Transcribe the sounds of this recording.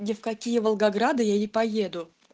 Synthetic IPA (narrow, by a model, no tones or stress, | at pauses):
nʲɪfkɐkʲijəvəlˠɡɐɡɾad̪ɨjaɪpɐjed̪ʊ